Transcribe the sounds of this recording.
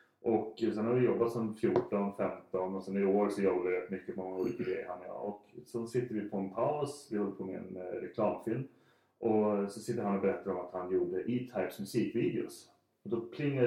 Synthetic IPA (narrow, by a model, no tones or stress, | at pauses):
ʔɔksɛnhaɾvɪjɔbːat̪sɔnfjuːʈɔnfɛmt̪ɔnɔsɛnɪɾɪoːɾsɔjɔbːavɪɾɛt̪mʏkːəmɔŋːauːliːkaɡɾɛ̰jːəɾhanːɪa̰ɔksɔnsɪt̪ːəɾvɪpʰɔɛnpʰaʊsvɪhɔlːəpʰɔmɪ̰nɾɛkʰlɑːmfɪlm | ʔɔsɔsɪt̪ːəɾhanɔbɛɾɛt̪ːad̪əɔmat̪hanjuːɖəʔit̪ʰaɪksmɵsiːkviːd̪ɪʊ̰s | ɔd̪ɔpʰlɪŋːə